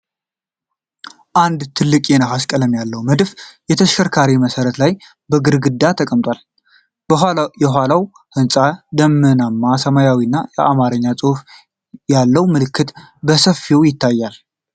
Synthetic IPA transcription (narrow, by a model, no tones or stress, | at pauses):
ʔand̪t̪ʰɨlːɨkʼjenaɦaskʼələmjalːəwməd̪fjɛt̪ʰəʃkəɾkʰaɾiməsəɾət̪laj | bəɡɨɾɡɨd̪ːat̪ʰəkʼəmt̪ʼwal | jɛɦʷalaw | hɨnsʼad̪əmːɨnamːasəmajawinːajɛ̰ʔamaɾəɲːasʼɨhf | jalːəwmɨlɨkʰːɨt̪ | bəsəfːiwjɪt̪ʰːajːal